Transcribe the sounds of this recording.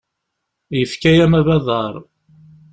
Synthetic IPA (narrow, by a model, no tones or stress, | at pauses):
jəfkæjæmæβæðˤɑɾˤ